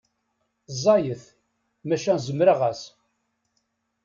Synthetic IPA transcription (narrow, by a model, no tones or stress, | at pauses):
zˤɑjəθ | mæʃænzəmɾaʁæs